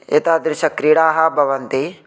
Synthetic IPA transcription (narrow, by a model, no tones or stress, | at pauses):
ḛt̪aːd̪ɾʃɐkɾiɽaːɦɐbʱɐʋɐnt̪i